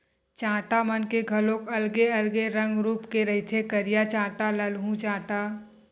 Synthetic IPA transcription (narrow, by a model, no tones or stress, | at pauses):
t͡ʃãːʈamənkeɡʱɐlõkɐlɡeɐlɡeɾə̃ŋɡɾuːpkeɾɐɦit̪ʰekəɾijat͡ʃãːʈaləlɦũt͡ʃãːʈa